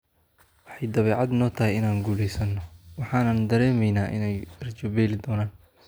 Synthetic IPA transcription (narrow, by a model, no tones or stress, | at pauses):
wɑħɑjd̪ɐβɛːʕɑd̪nɔːt̪ʰɐɦɛjɪnaːŋɡuːlɛjsɐnːɔwɑħɑːnɐnd̪ɐɾɛːmɛjnaːʔɪ̰nɛjrt͡ʃɔbɛːlɪd̪ɔːnaːn